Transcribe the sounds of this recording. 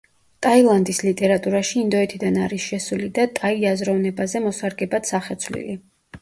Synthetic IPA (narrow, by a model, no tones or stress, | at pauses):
t̪ʼailˠand̪islit̪ʼɛɾat̪ʼuɾaʃiːnd̪ɔɛt̪ʰid̪anaɾisʃɛsulid̪at̪ʼaiazɾɔvnɛbazɛmɔsaɾɡɛbat̪saχɛt̪sʰvlḭli